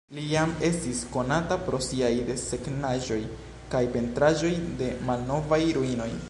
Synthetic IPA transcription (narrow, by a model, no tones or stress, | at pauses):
lijame̞stisko̞natapɾo̞siajde̞se̞knaʒo̞j | kajpe̞ntɾaʒo̞jde̞malno̞vajɾuino̞j